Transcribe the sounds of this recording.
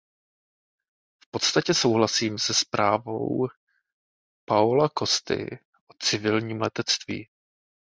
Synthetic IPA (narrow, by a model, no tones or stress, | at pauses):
fpo̞t̪st̪acɛso̞wɦlasiːmsɛspɾaːvo̞̰w | paolako̞st̪ɪ̰ | ʔo̞t͡sɪvɪlɲiːmlɛt̪ɛt͡st̪vḭː